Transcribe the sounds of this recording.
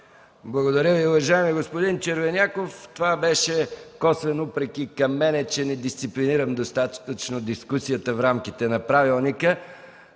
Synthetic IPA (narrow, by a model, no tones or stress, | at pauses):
blˠɐɡod̪ɐɾʲjəviʊvɐʒaɛmiɡospod̪int͡ʃəɾvɛnʲakoft̪ovabɛʃɛkɔsvɛnupɾɛk̟ikɐmːɛnɛt͡ʃɛnɛd̪ist̪sipliniɾəmd̪ost̪at̪t̪ət͡ʃnod̪iskusijət̪əfɾamk̟it̪ɛnɐpɾavilˠnikə